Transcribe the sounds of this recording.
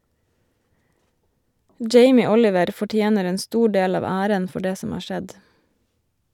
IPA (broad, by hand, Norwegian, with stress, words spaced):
ˈd͡ʒeɪmɪ ˈɔlɪʋəɾ fɔˈʈjeːnəɾ ˈeːn ˈstuː ˈɖeːl ˈɑːʋ ˈæːɾən ˈfɔ ˈɖeː ˈsɔm ˈɑː ˈʃɛd